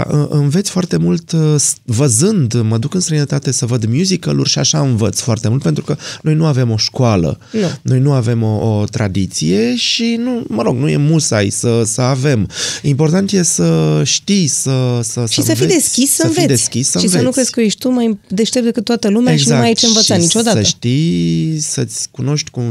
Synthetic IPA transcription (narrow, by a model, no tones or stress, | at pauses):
ʔɨʔɨnve̞t̪sʲfoart̪e̞mult̪svəzɨnd̪məd̪ukɨnst̪ɾəjnət̪at̪e̞səvəd̪mjuzikəlṵrʃiaʃaɨnvət̪sʲfoart̪e̞mult̪pent̪ɾu̥kəno̞jnuave̞mo̞ʃkoalə̰ | nno̞jnuave̞mo̞ot̪ɾa̰d̪it̪sije̞ʃinuməɾo̞ɡnuje̞̰musa̰jsəsəave̞mimpo̞rt̪ant̪je̞səʃt̪ijsəsəsʃəiəfied̪eskʲisːənfvied̪e̞sʲskʲisːəʃisveənuk̪kɾezsʲkəojeʃt̪umajd̪eʃt̪eɾp̚d̪e̞kɨt̪ːoat̪əlumeeɡzakmajit͡ʃɨnvət̪ʃsanit͡ʃo̞d̪aasəʃət̪ijsət̪sʲkuno̞ʃt̪ʲku